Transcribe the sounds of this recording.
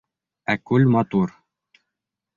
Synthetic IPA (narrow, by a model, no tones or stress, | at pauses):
ækʉlmɑt̪uɾ